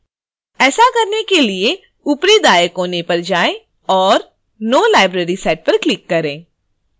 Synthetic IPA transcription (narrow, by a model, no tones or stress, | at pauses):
ɛːsakɐɾnekelie | ʊpɾed̪aːjəkɦoːnepɐɾd͡ʒaːẽ | ɔːɾ | noːlaːɪbɾeːɾisɛːʈ̚pɐɾklɪkːɐɾẽː